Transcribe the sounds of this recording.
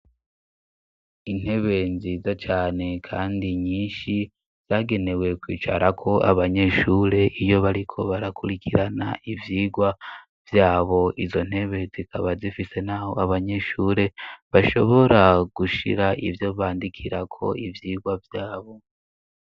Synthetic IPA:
in̥he̞βe̞nziːzat͡ʃaːne̞kʰa̰ːndiɲiːnʃi | z̥jaːɡe̞ne̞we̞kwḭːt͡ʃa̰ɾakʰo̞ʔaβaɲe̞ʃuːɾe̞ʔijo̞βaɾikʰo̞βaɾakʰuɾikʰiɾana̰ʔivjiːɡwa | vjaːβo̞ʔizo̞n̥he̞βe̞zikʰaβazifise̞n̥aːho̞̰aβaɲe̞ʃuːɾe̞βaʃo̞̰βo̞ɾaɡ̥uʃḭɾaʔḭvjo̞βaːndikʰiɾakʰo̞̰ʔivjiːɡwavjaːβo̞

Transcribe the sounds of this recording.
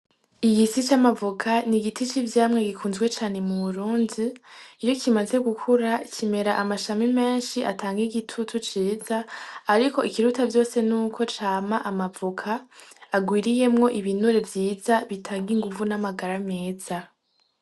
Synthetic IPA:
iɡisit͡ʃamavukʰaniɡitit͡ʃivjaːmŋe̞ɡikʰuːnzɡwe̞t͡ʃaːne̞muβuɾuːndiːt͡ʃo̞cimaze̞ɡukʰuɾacʰime̞ɾaʔamaʃamime̞ːnʃiʔa̰tʰaːŋɡiɡitʰutʰut͡ʃiːzaːɾiko̞ikiɾutavjo̞ːse̞nuːkʰo̞t͡ʃaːmaʔamavukʰaːɡwiːɾije̞mŋo̞ʔiβinuɾe̞vjiːzaβitʰaːŋɡiŋɡuvunamaɡaɾameːz̥a

